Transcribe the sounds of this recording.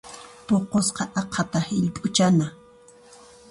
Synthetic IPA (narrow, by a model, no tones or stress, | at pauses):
poqosqɑʔɑqʰɑt̪ahɪʎpʼʊt͡ʃana